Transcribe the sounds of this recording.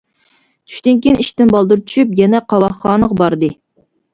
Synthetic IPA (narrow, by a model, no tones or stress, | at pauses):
t̪ʰy̥ʃt̪ɪŋkʲiniʃt̪ɪnbɑlˠd̪uɾt͡ʃʰy̥ʃypjɛnɛqʰɑwɑχːɑːnəʁbɑɾd̪ɨ